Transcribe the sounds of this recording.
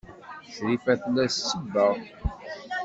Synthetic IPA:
θɾifæθlæssəbːəʁˤ

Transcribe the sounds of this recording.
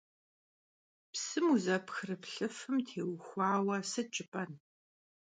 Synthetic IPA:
psɨmuzɐpxrɨpɬɨfɨmtʰeːwxʷɑːwɐsɨt͡ʃʼɪpʼɐn

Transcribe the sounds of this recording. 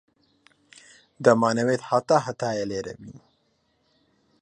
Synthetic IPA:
d̪əmaːnɐwet̪hat̪aːɦat̪aːjeleːɾɐ̰bi

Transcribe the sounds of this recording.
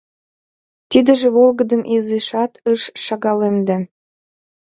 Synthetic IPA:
t̪id̪ə̆ʒĕβolɣə̆d̪əmʔizeʃɑt̪əʃʃɑɣɑlemd̪e

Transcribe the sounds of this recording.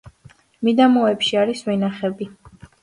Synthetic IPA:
mid̪amɔɛpʃiaɾisvɛnaχɛbi

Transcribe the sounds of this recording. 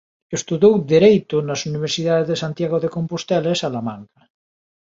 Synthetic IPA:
est̪uðowd̪eɾejt̪ʊnasuniβ̞eɾsiðaðezðesant̪jaɣoðekompost̪ɛlasalamãŋkɐ

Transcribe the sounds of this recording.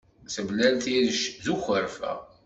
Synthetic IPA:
səblælt̪iɾəʃðuxəɾfæ̰

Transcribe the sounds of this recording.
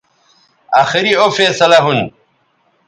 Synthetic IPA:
aːxiɾiofeːsɐlaɦun

